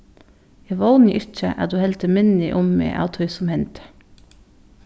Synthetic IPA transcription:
ɛʋɑʊnɪʔɪc͡çə̰ʔæ̰ːd̪ʉːhɛlt̪ʰəmɪnɪʔʊmːḛːʔɑ̰ːt̪ʰœʏsɔmhɛnt̪

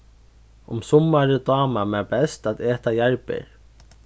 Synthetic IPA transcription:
ʊmsʊmːaɾɪd̪ɑːmamɛbɛst̪at̪eːt̪ajaɹpɪ̰ɾ

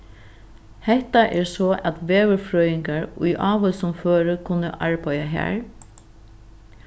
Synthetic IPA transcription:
hɛht̪aʔɛɹsɔːʔæt̪ʋeːʋʏɹfɾœːjɪŋkaɹṵjʔɑːʋəlsʊmføːɾəkʰʊnə̰ʔaɹpajaɦæ̰ːɹ

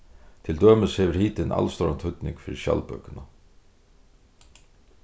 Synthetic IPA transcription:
t̪ʰɪld̪øːməshɛʋɪɾhiːt̪ɪnʔa̰lst̪ɔɾant̪hʏt̪nɪ̰ŋkfɪɾɪʃja̰lpœkɪna

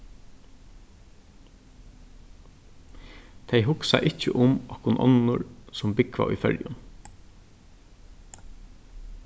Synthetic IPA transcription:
t̪ʰejɦʊksa̰ʔɪcːəʔʊmɔhkʊnʔɔ̰nʊɹsʊmbɪkʋa̰ʔʊ̰fœljʊn

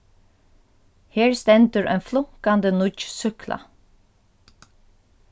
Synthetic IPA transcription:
heːɹst̪ɛnt̪əɾʔœ̰ʏnflʊŋ̥kand̪ənʊt͡ʃsʏkla̰

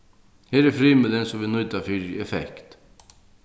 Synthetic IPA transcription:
heːɾɛɾfɾiːmɪlənsɔmʋinʊjt̪afɪɾɛfɛ̰kt̪

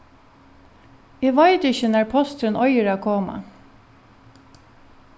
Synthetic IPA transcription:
eːʋɑɪt̪ɪçənæɹpʰɔst̪ɾənɔʏəɹɑːkʰoːmɑ̰

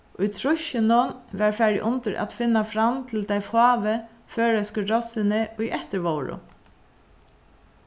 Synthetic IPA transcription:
ʊjt̪ʰɾʊʃɪnʊnʋæɹfɛɹɪ̰ʔʊnt̪əɹʔa̰t̪fɪnːafɾamt̪ʰɪlt̪ajfɑːʋɪ | føːɹɛskəɾɔsɪnɪʊjʔɛht̪əɹʋowɹʊ̰

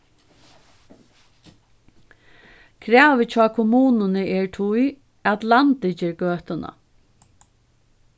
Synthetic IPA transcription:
kʰɾɛːʋɪt͡ʃʰaːkʰʊmuːnʊnɪɛɹt̪ʰʊj | at̪lant̪ɪt͡ɕɪɾɡøːht̪ʊna̰

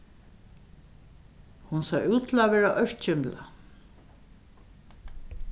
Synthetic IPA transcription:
hunsaːʔuːt̪ʰl̩aʋɛːɹaʔœʂt̪t͡ɕɪmpla̰

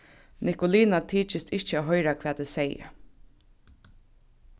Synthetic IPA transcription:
nɪkʊliːnat̪ʰiːt͡ʃɪst̪ɪht͡ʃəaːɦɔjɾakʰvɛːt̪ɪsɛjə̰

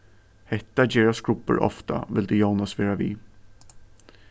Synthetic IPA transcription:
hɛt̪ːad̪eːɾasɡɾʊpːə̰ɾʔɔ̰ft̪a̰ʋɪld̪ejɑːnasʋeːɾaʋḭː

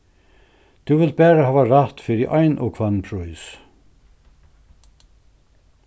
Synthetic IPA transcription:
t̪ʰuvɪlt̪̚bɛːɾahaːvaɾaht̪fɪːɾɪʔajnʔɔ̰kʰvanpʰɾujs

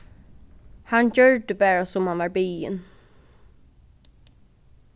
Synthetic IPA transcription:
hand͡ʒœɹd̪əbæːɹasʊmhanʋɑɹbiːɪ̰n

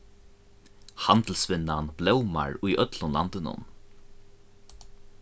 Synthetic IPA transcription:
hant̪l̩sʋɪnːanblɛwma̰ɹujʔœt̪lʊnla̰nt̪ɪnʊ̰n

